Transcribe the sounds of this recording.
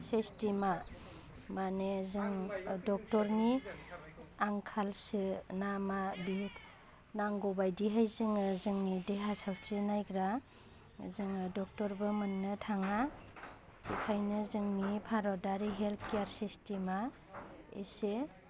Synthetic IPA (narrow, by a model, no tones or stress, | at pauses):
sestima | manezɯŋdɔk̚tɔɾni | aŋkʰalsɯnamabitʰ | naŋɡɔbajdiɦajzɯŋzɯŋnideɦasawsɾinajɡɾa̰ | zɯŋdɔk̚tɔɾbɯmɯnːɯtʰaŋa | dikʰajnɯzɯŋnipʰaɾɔdaɾiɦeltʰkijaɾsestima | ḛse